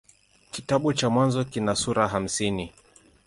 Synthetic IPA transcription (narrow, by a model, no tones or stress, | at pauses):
kitaɓut͡ʃamwanzɔkinasuɾaɦam̩sini